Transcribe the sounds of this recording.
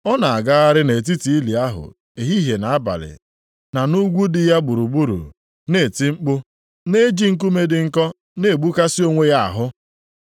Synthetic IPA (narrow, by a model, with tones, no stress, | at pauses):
ɔ˦na˨a˨ɡa˦ɣa˦ɾɪ˦ne˨t̬i˦ti˨i˦li˨a˦ɦʊ̰˨ | e˨ɦi˦ɦe˨na˨a˦ba̰˨lɪ̰˨ | na˨nu˦ɡʷu˦dɪ˦ja˦ɡ͡bu˨ɾu˨ɡ͡bu˦ɾṵ˨ | ne˨ti˦ŋ͡m̩˦k͡pʊ˦ | ne˦d͡ʒi˦ŋ̩˦k̬u˦me˦dɪ˨ŋ̩˦kɔ˦ | ne˦˨ɡ͡bu˦ka˦si˦o˦ŋʷe˦ja˦a̰˨ɦʊ˦